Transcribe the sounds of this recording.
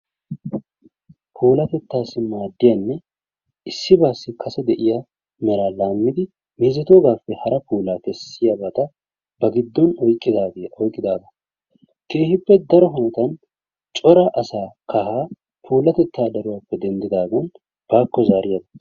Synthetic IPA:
pʰuːlɐt̪ɛt̪ːaːsɪmaːd̪ːɪjɐnːɛ | ɪsːɪbaːsːɪkʰɐsɛd̪ɛʔɪjɐ | mɛɾaːlaːmːɪd̪ɪ | miːzɛt̪oːɡaːfːɛhɐɾɐpuːlaːt̪ɛsːɪjɐbɐt̪ɐ | b̥ɐɡɪd̪ːɔnɔjkʼːɪaɔjkʼɪd̪aːɡɐ | ke̞ːhɪpːɛd̪ɐɾɔɦɔnɛt̪ɐn | t͡ʃʼɔɾɐʔɐsaːkɐɦaː | pʰuːlɐt̪ɛt̪ːaːd̪ɐɾʊwaːfːɛd̪ɛnd̪ɪd̪aːɡɐn | b̥aːkːɔzaːɾɪjɐd̪ɐ̥

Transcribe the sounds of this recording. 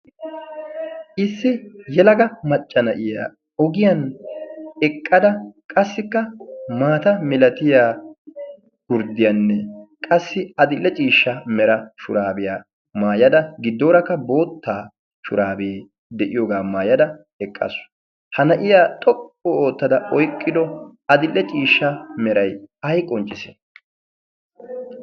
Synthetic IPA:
ʔɪsːɪjɛlɐɡɐmɐt͡ʃʼːɐnɐʔɪja̰ː | ɔɡɪjɐn | ɛkʼːɐd̪ɐkʼɐsːɪkːɐmaːt̪ɐmɪlɐt̪ɪjaː | ɡ̥ʊɾd̪ɪjɐnːɛkʼɐsːɪɐd̪ɪlːɛt͡ʃʼiːʃːɐmɛɾɐʃʊɾaːbɪja | maːjɐd̪ɐɡɪd̪ːoːɾɐkːɐbo̞ːt̪ːaː | ʃʊɾaːbeː | d̪ɛʔɪjoːɡaːmaːjɐd̪ɐ | ɛkʼːɐ̰sʊ̥ | hɐnɐʔɪjaːt̪ʼɔkʼːooːt̪ːɐd̪ɐʔɔjkʼːɪd̪ɔɐd̪ɪlːɛt͡ʃʼiːʃːɐmɛɾɐjɐjkʼɔnt͡ʃʼːɪse̥̰

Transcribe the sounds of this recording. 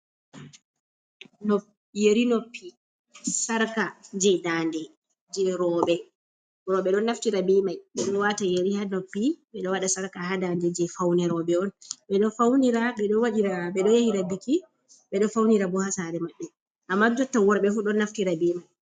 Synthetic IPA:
nɔ | jeɾinopʰːi | saɾkad͡ʒɛjdandɛ | d͡ʒɛɾɔːɓɛ | ɾɔɓɛɗɔnːaftiɾabimajɓɛɗɔnwatajeɾihanopːiɓɛɗɔwaɗasaɾkaɦadandɛd͡ʒɛfawnɛɾɔɓɛɔnɓɛɗɔfawniɾaɓɛɗɔwaɗiɾaɓɛɗɔjehiɾabiki | ɓɛɗɔfawniɾabɔhasaɾɛmaɓːɛ | ʔamːadɔtːawɔɾɓɛfuɗɔnːaftiɾabimaj

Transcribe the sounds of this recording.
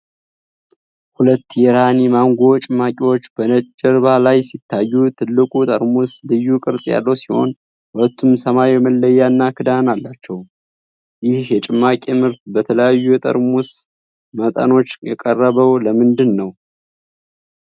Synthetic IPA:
hulət̪ːjɛɾanimaŋɡo̞t͡ʃʼɨmːakʼewot͡ʃːb̥ənəd͡ʒəɾβalajsit̪ʰːajːut̪ʰɨlːɨkʼut̪ʼəɾmuslɨjːukʼɨɾsʼja̰lːəwsiho̞̰n | hulət̪ʰːumsəmajjɛməlːəjːanːakʰɨd̪analːat͡ʃːɛw | jɪhjɛt͡ʃʼɨmːakʼemhɨɾt̪bət̪ʰələjajːujɛt̪ʼə̰ɾmus | mət̪ʼə̰no̞t͡ʃːjɛkʼərːəβəwləmɨnd̪ɨnːəw

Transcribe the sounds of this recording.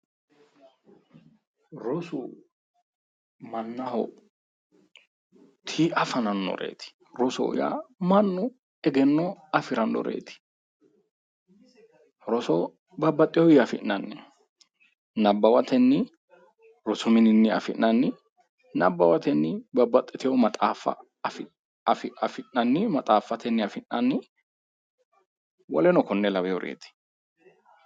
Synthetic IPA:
ɾɔsʊ | mɐnːɐhɔ̰ | t̪ʰiɐfɐnɐnːɔ̰ɾḛːt̪ɪ̥ | ɾɔsɔ̰w̰ja̰mɐnːʊ | ɛɡɛnːɔɐfɪɾɐnːɔ̰ɾḛːt̪ɪ̥ | ɾɔsɔ | bɐbːɐt̪ʼːɪjɔjɐfɪʔnɐnːɛ | nɐbːɐwɐt̪ɛnːɪ | ɾɔsʊmɪnɪnːɪɐ̰fɪnːɐnːɪ | nɐbːɐwɐt̪ɛnːɪbɐbːɐt̪ʼːɪt̪ɪjɔmɐt̪ʼaːfɐ̰ | fɪ | fɪɐfɪnːɐnːɪmɐt̪ʼaːfːɐt̪ɛnːɪɐfɪnːɐnːɪ | wɔlɛnɔkɔnːɛlɐbɛjɔɾʔḛːt̪ɪ̥

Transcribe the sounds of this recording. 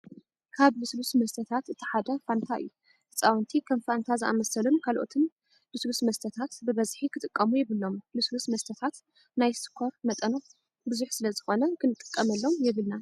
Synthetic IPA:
kʰaβluslusmɐst̪ʰɐt̪ʰat̪ɨt̪ʰi̥ħad̪ɐfant̪ʰaʔɨ̰jːu | ɨt͡sʼawnt̪ʰikʰɐmfant̪ʰazɨʔa̰mɐsɐlomkʰalʔo̞̰t̪ʰɨn | luslusmɐst̪ʰɐt̪ʰat̪bɨβɐzħikʰɨt̪ʼɨkʼːɐmujɛβɨlːo̞mluslusmɐst̪ʰɐt̪ʰat̪ | najsɨ̥kʰːoɾmɐt̪ʼɐno | bɨzuħsɨlɐzɨxo̞nɐkʰɨnɨt̪ʼːɨ̥kʼːɐmɐlːo̞mjɛβɨlna

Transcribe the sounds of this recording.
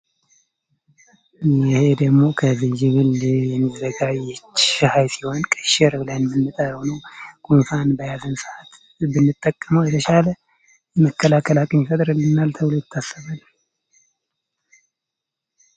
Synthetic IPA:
jɛhe̞d̪əɡmo̞kʰəzid͡ʒɪβɨljɛmizəɡaɛt͡ʃːhajsiho̞nkʼəʃɛɾɨβlajmɨnːɨt̪ʼajhonəwɡ̥ʰʼunfanbəjazɨnsɨhat̪ | bɨnːɨt̪ʼːəkʼːəməwjɛt̪ʰəʃalə | jɛməkːəlakʰəlakʼənɪfət̪ʼɾɨlːɨnːalt̪ʰəwlojɪt̪ʰːasːəβalːə

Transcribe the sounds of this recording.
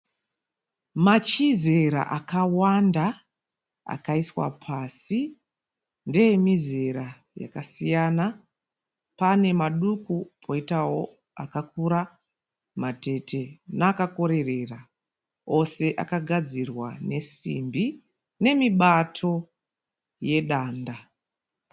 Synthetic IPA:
mat͡ʃize̞ɾa̰ʔakawanda | a̰kaiswa̰pʰaːsi | ndejemize̞ɾa | ja̰kasijana | pane̞maɗukupʰo̞itawo | akak̚uɾa | mate̞te̞naːkako̞ɾe̞re̞ra | o̞se̞ʔa̰kaɡʱad͡zirwane̞sḭmbi | ne̞miɓatʰo̞ | je̞ɗaːnda

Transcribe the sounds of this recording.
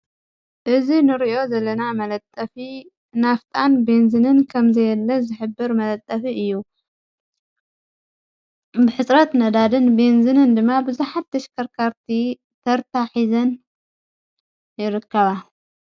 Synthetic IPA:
ʔɨzinɨɾiʔo̞zɐlːɐnamɐlɐt̪ʼːɐfi | naft̪ʼanbenzɨnɨnkʰɐmzɐjɛlːɐzɨħɨbːɨɾmɐlɐt̪ʼːɐfiɨjːu | bɨħɨt͡sʼɾɐt̪nɐd̪ad̪ɨnbenzɨnɨnd̪ɨmːabɨzuħat̪ːɐʃkʰɐɾkʰaɾt̪ʰi | t̪ʰɐɾt̪ʰaħizɐn | jɪɾɨkʰːɐβa

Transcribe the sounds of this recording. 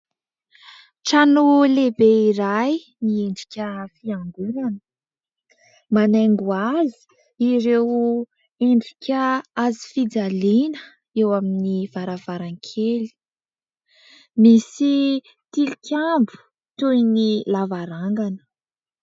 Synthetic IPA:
ʈ͡ʂanulebeiɾaj | nieɳɖ͡ʐi̥kʲəfiaŋɡulanə | manaŋɡuazi̥ | iɾew | eɳɖ͡ʐikʲəazi̥fid͡zalinə | ewaminiv̥aɾavaɾaŋkʰeli̥ | misi | t̪ilikʲambu̥ | t̪ujnilavaɾaŋɡanə̥

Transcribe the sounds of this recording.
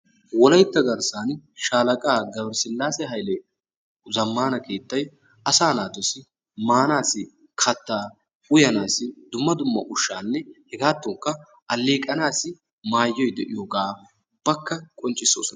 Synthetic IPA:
wɔlɐjt̪ːɐɡɐɾsaːnʃaːlɐkʼaːɡɐbɾsɪlːaːsɛɦɐjlɛ | zɐmːaːnɐkeːt̪ːɐj | ɐsaːnaːt̪ɔsɪ | maːnaːsɪ | kʰɐt̪ːaː | ʊjɐnaːsɪd̪ʊmːɐd̪ʊmːɐ̰ʔʊʃːaːnːɛhɛɡaːt̪ːɔŋkːɐ | ʔɐlːeːkʼːɐnaːsɪ | maːjːɔjd̪ɛʔɪjɔɡaː | b̥ːɐkːɐkʼɔnt͡ʃʼːɪsːo̰ːsɔnɐ

